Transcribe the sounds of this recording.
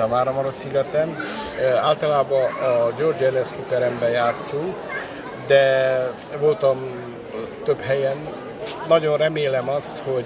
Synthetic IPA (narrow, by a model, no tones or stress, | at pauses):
ɒmaːɾɒmɒɾosiɡɛt̪ɛm | aːlt̪ɒlaːbɒd͡ʒord͡ʒɛnɛskut̪ɛɾɛmbɛjaːt̪suŋk | d̪ɛ | vo̞lt̪ɒm | t̪øphɛjɛn | nɒɟo̞nrɛmeːlɛmɒst̪ho̞